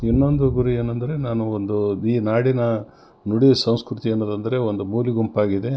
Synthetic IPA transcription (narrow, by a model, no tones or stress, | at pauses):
inːo̞nd̪uɡuɾieːnːɐnd̪ɐɾe̞naːnuond̪uiːnaːɽinɐ | nuɽijɐsɐw̃skɾut̪ienːod̪ɐnd̪ɐɾe̞ond̪umuːliɡompaːɡid̪e̞